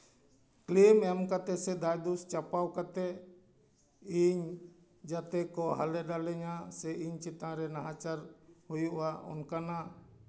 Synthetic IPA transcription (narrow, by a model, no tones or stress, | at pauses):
klimɛmkat̪ɛsɛd̪ajd̪ust͡ʃapawkat̪ɛ | iɲ | d͡ʒat̪ɛkɔɦalɛɖalɛɲasɛiɲt͡ʃit̪ãɾɛnaɦat͡ʃaɾhujuʔwaɔ̰nkana